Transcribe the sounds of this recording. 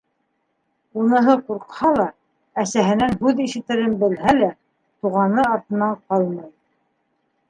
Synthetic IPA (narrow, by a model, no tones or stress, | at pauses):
unɤ̆ɦɤquɾqhɑlˠɑ | æsæɦɘ̆nænɦʉðiʃɘ̆t̪ɘ̆ɾɘnbɘ̆lhælæ | t̪uʁɑnɤɑɾt̪ɤ̆nɑɴqɑlˠmɑj